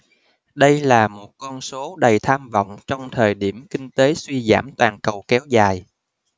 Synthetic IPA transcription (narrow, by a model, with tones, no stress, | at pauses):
ɗə˧jlaː˨˩mo˨˩t̚kɔ˧nso˨˦ɗə˨˩jt̪ʰaː˧mvə̰˧˨wŋ͡mt͡ɕɔ˧wŋ͡mt̪ʰəː˨˩jɗi˧˩əmkï˧ŋ̟t̪e˨˦swi˧za̰ː˧˩mt̪waː˨˩nkə˨˩wkɛ˨˦wzaː˨˩j